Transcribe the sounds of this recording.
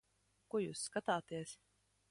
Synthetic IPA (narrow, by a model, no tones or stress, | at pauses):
kujṵːsːkat̪aːt̪iɛs